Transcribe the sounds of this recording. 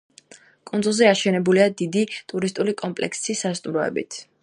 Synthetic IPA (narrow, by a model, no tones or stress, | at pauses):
kʼundzulˠzɛaʃɛnɛbuliad̪id̪it̪ʼuɾist̪ʼulikʼɔmpʼlɛ̰ksisast̪ʼumɾɔɛ̰bḭt̪ʰ